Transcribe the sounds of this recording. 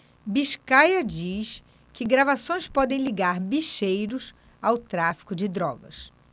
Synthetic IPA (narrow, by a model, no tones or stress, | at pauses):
biʃkajɐd͡ʒis | kɪɡɾavasõj̃spɔd̪ẽj̃liɡaɾbiʃejɾʊs | awt̪ɾafi̥kʊd͡ʒɪd̪ɾɔɡɐ̰s